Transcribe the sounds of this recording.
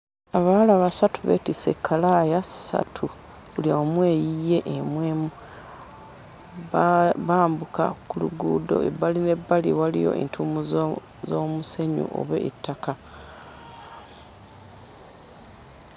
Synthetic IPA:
aβalaβasatuβḛtise̞kʰːalajassa̰tʰu | uliomwe̞ːjije̞ʔemweːmu | βaːmbuka̰kuluɡuːdo̞̰ḛβaline̞bːaliwalijo̞̰ʔḛntʰumuz | zo̞ːmuse̞ɲṵʔo̞̰βḛʔːtːaka

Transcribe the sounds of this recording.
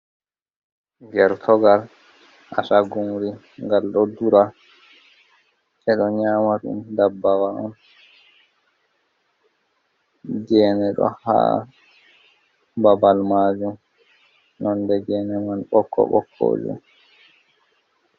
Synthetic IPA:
ɡɛɾtʰɔɡal | ʔasaɡuŋɾi | ŋɡalɗɔduɾa | ʔɛɗɔɲaːmatṵndabːawaɔn | d͡ʒɛːnɛɗɔ̰ha̰ | babalmaːd͡ʒum | nɔndɛɡɛːnɛmanɓɔkʰːɔ̰ɓɔ̰kʰːo̰ːd͡ʒṵm

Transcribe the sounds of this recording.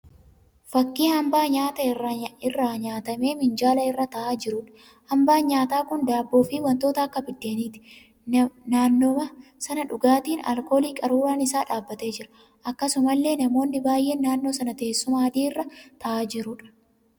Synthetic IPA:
fɐkːiːhɐmbaːɲaːt̪ɐɪrːɐɪrːaɲaːt̪ɐme̞ːmɪnd͡ʒaːlɐɪrːɐt̪ɐʔaːd͡ʒɪɾʊᶑɐ̥ | hɐmbaːɲaːt̪aːkʊnd̪aːbːo̞ːfiːwɐnt̪o̞ːt̪ɐɐkːɐbɪd̪ːeːɐniːt̪ɪ̥ | naːnːomɐsɐnɐᶑʊɡaːt̪iːnɐ̰lko̞ːliːkʼɐɾuːɾaːnɪsaːᶑaːbːɐt̪e̞ːd͡ʒɪɾɐ̥ | ʔɐkːɐsʊmɐlːe̞ːnɐmo̞ːnːɪbaːjʔe̞ːnːaːnːo̞ːsɐnɐt̪ɐeːsːʊmɐhɐd̪iːɪrːɐt̪ɐʔaːd͡ʒɪɾʊᶑɐ̥

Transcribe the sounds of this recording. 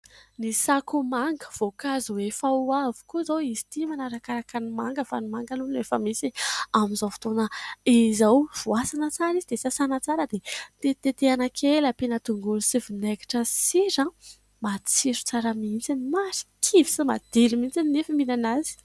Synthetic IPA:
nisakumaŋɡə̥v̥okaziwefauavu̥kuzowizi̥t̪imanaɾakaɾakanimaŋɡəfa̰nimaŋɡanunefəmisiamizowfi̥t̪onəizawv̥uasanət͡saɾizid̪esasanət͡saɾəd̪et̪et̪et̪eanakʰelapenət̪uŋɡulusivineki̥ʈ͡ʂəsiɾə | mat͡siɾu̥t͡saɾəmint͡sinimaɾi̥kʰivi̥simad̪elimint͡sininefimilanazi̥

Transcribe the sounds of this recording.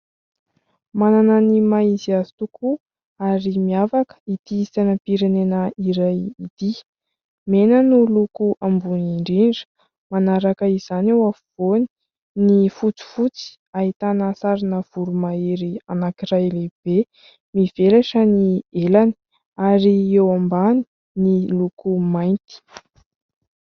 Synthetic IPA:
manananimaiziazi̥t̪ukʰu | aɾimiavakə̥it̪iisanəpiɾenenəiɾajit̪i | menənulukuʔambuniɳɖ͡ʐiɳɖ͡ʐə̥ | manaɾakəiz̥anewafuvoni̥ | nifut͡si̥fut͡si̥ | aɦit̪anəsaɾinəv̥uɾumaeɾianakirajleb̥e | miv̥elaʂənielani̥ | aɾiewambani̥ | nilukumajnt̪i̥

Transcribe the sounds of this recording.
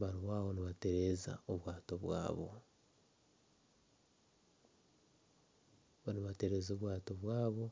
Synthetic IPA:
βaɾiβaːβoniβate̞ɾe̞za̰oβwaːto̞βwa̰ːβo̞̰ | oniβate̞ɾe̞ːzoːβwaːtoβwaːβo̞

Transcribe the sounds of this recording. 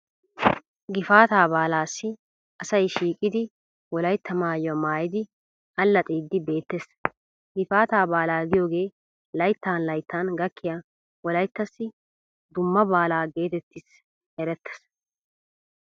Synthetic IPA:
ɡɪfaːt̪aːbaːlaːsːɪ | ɐsɐjʃiːkʼɪd̪ɪ | wɔlɐjt̪ʰːɐmaːjɔmaːjɪd̪ɪ | ʔɐlːɐt̪ʼiːd̪ːɪbe̞ːt̪ːes | ɡɪfaːt̪aːbaːlaːɡɪjo̞ːɡe̞ː | lɐjt̪ːaːnlɐjt̪ːaːnɡɐkʰːɪja | wɔlɐjt̪ːɐsːɪ | d̪ʊmːɐbaːlaːɡe̞ːt̪ɛt̪ːɪs | ɛɾɛt̪ʰːɛ̥s

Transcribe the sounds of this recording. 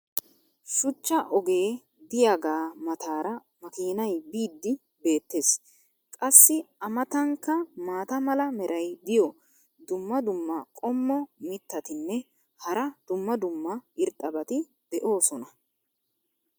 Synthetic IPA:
ʃʊt͡ʃːɐʔɔɡe̞ː | d̪ɪjaɡaːmɐt̪aːɾɐ | mɐkiːnɐjbiːd̪ːɪ | be̞ːt̪ːe̞ːs | kʼɐsːɪɐmɐt̪ɐŋkːɐmaːt̪ɐmɐlɐmɛɾʔɐjd̪ɪjɔ | d̪ʊmːɐd̪ʊmːɐkʼɔmːɔmɪt̪ːɐt̪ɪnːɛ | hɐɾɐd̪̥ʊmːɐd̪ʊmːɐɪɾt̪ʼːɐbɐt̪ɪ | d̪̥ɛʔo̞ːsɔnɐ

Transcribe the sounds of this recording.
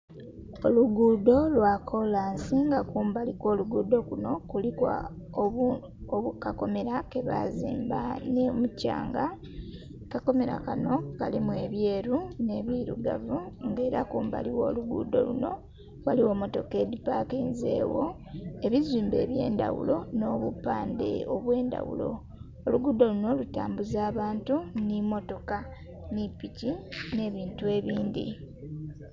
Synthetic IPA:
o̞luɡuːdo̞lwakʰo̞laːnsiŋɡakuːmbalikwo̞ːluɡuːdo̞kuno̞kulikwa̰ | o | oβukako̞me̞ɾake̞βa̰ziːmbanemucːa̰ːŋɡa | kako̞me̞ɾa̰kano̞kalimwe̞βje̞ːɾune̞βiɾuɡa̰vuŋɡeːɾakuːmba̰liwo̞ːluɡṵːdo̞̰lṵno̞ | waliwo̞mo̞to̞ke̞dipakenze̞̰ːwo̞ | e̞βiziːmbe̞ːβje̞̰ːndawṵlo̞no̞ːβupːaːndḛoβwe̞ːnda̰wṵlo̞̰ | oluɡuːdo̞luno̞lutaːmbuzaːβaːntunimo̞to̞ka | nipicine̞βiːntue̞βiːndḭ

